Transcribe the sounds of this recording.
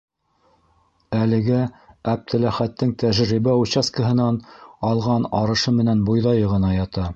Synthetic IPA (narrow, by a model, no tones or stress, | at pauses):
ælɘ̆ɡææp̚t̪ʰɘ̆læχæt̪ːɘŋt̪æʒɾiβæut͡ɕɑskəɦɤ̆nɑnɑlˠʁɑnɑɾɤ̆ʃɤmɘ̆nænbujðɑjɤʁɤ̆nɑjɑt̪ɑ